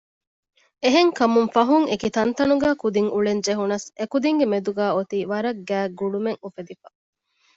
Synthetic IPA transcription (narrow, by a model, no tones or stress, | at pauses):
eɦeŋkɐmuŋfɐɦuŋekit̪ɐnt̪ɐnuɡæːkud̪iŋuɭend͡ʒeɦunɐsekud̪iŋɡemed̪uɡæːot̪iːʋɐɾɐɡːæːɡuɖumeŋufed̪ifɐ